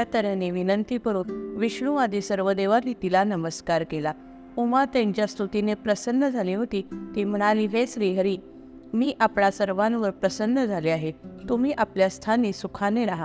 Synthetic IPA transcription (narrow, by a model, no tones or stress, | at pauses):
at̪əɾəneʋinənt̪ipəɾuːnʋiɕɳuʋad̪esəɾʋəd̪eʋaɾit̪ilanəməskaɾkela | umat̪ẽɲt͡ɕjast̪ɾut̪inepɾəsənːəd͡zʱaliːɦot̪iːt̪iːm̤əɽ̃aliːʋesɾiːɦəɾiː | miːʔapɳasəɾʋãnʋəɾpɾəsənːəd͡zʱaliaɦet̪um̤iːʔapljast̪ʰanisukʰaneɾaɦa